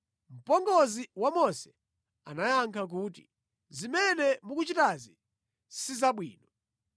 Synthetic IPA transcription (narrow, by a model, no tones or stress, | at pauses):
m̩pɔŋɡɔziwamɔsɛ̥ | a̰najaŋkʰak̬uːt̬ḭ | zimɛnɛmuk̬ut͡ʃitazi | sizaɓwḭːnɔ